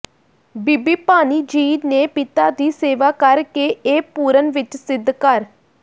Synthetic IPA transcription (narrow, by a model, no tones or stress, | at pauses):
biːbiːpaːniːd͡ʒiːneːpɪt̪aːd̪iːseːʋaːkəɾkeːeːpuːɾənʋɪt͡ʃsɪd̪ʱkəɾ